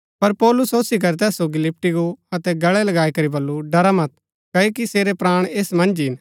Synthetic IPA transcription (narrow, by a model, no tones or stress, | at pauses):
pɐɾpɔːlʊsoːsik̬ɐɾɛt̪ɛːsoɡilɪp̚ʈiɡoɐt̪ɛɡɐɭɛlɐɡaːikɐɾibɐlːuɖɐɾamɐt̪̚ | kɐokiseːɾepɾaːɽ̃eːsmɐ̃nd͡ʒɦɪn